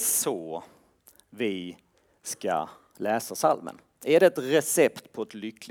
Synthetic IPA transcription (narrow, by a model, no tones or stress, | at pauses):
sɔ | vɪ | ska̰ | lɛːsasalmə̰n | æɖɛɛt̪ɾɛsɛpt̪pʰɔɛt̪lʏkːl